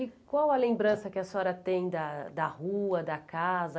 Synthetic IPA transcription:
ɪkwawɐlẽmbɾɐ̃sɐkɪɐsɔɾɐt̪ẽj̃d̪ɐd̪ɐhuɐd̪ɐkazɐ

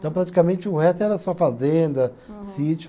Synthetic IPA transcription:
t̪ɐ̃w̃pɾat͡ʃi̥kamẽnt͡ʃɪʊhɛst̪ʊɛɾɐsuɐfazẽnd̪ɐsit͡ʃʊ

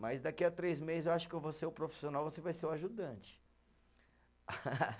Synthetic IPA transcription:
majzd̪akiɐt̪ɾejzmezɪzewaʃʊ̥kɪevoseɾʊpɾofi̥sionawvosevajseɾwaʒud̪ɐ̃t͡ʃɪ̥

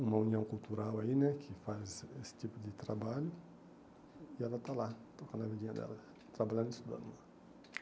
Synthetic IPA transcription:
umɐuniɐ̃w̃kult̪uɾawainɛkʰifazesɪ̥t̪ipud̪ɪt̪ɾabaʎu | ialat̪alat̪ɔkãnavediɲɐd̪ɛ̰lɐ | t̪ɾabaʎãd̪isud̪a̰na

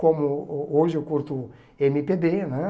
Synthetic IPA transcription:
kõmʊoʒɪkuɾt̪u | emipebenɛ̃

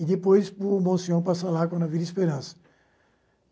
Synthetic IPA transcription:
ɪd̪epojsʊmõsiɐ̃w̃pasalakɐ̃nd̪ɐvid̪ɐispeɾɐ̃sɐ̥

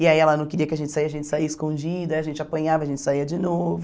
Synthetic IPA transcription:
ɪaiɛlɐnɐ̃w̃kɪɾiɐkɪɐʒẽnt͡ʃɪsaiɐʒẽnt͡ʃɪ̥saiɐɪskõd͡ʒid̪ɐiɐʒẽnt͡ʃɪapɐ̃ɲavɐʒẽnt͡ʃɪ̥saiɐd͡ʒɪnovʊ

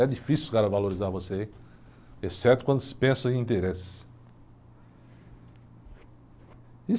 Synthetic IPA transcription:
ɛd͡ʒifisiukaɾɐvaloɾizaɾvosei | esɛt̪ʊkwɐ̃nd̪ʊsɪ̥pẽsɐ̃ĩnt̪eɾesɪ̥s | i

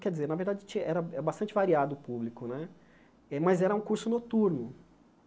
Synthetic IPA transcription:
kɛɾd͡ʒɪzeɾnɐveɾd̪ad͡ʒɪt͡ʃĩɐʔɛɾɐɛɐbast̪ɐ̃nt͡ʃɪvaɾiad̪ʊːpublikʊnɛ | ɛmɐzɛɾɐũkuɾsʊnot̪uɾnʊ

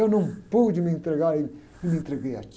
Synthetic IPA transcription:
ewnɐ̃w̃pod͡ʒmẽnt̪ɾɨɣaɾi | imẽnt̪ɾɨɣeja̰t͡ʃ

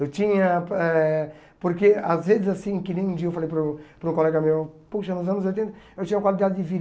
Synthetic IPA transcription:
ewt̪ĩɲɐɛ | poɾkeazvezɪzasĩkɪnẽj̃ũd͡ʒiɐewfalejpɾũpɾũkolɛɡɐmewpuʃɐnʊzɐ̃nʊzojt̪̬ẽnt̪ɐ | ewt͡ʃ̪ĩɲ̃ɐkwalid̪ad̪ɪd̪ɪvi

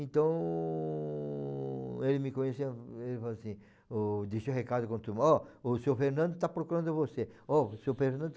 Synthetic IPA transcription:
ẽt̪ɐ̃w̃ | elɪmɪkõɲesɪelɪfalasĩ | ʊd̪iʃʊɦekad̪ʊkõt̪umɔʊsewfeɾnɐ̃d̪ʊt̪apɾokuɾɐ̃nd̪ʊvoseɔsewfeɾnɐ̃n

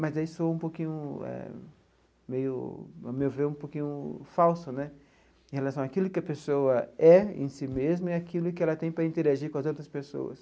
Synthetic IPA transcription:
mɐzaisoũpokĩɲʊɛ̰ | mejʊ̰a̰mewveɾũpokĩɲʊfawsʊnɛ | ẽhelasɐ̃w̃akilʊkɪɐpesoɐɛḛ̃simezmʊɛakilʊkɪɛlɐt̪ẽj̃pɾɐĩnt̪eɾaʒikõɐzowt̪ɾɐspeso̰wɐ̰s

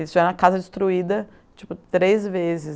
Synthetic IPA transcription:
isʊɛnɐkazɐd͡ʒɪst̪ɾuid̪ɐ | t͡ʃi̥pʊt̪ɾezvezɪs

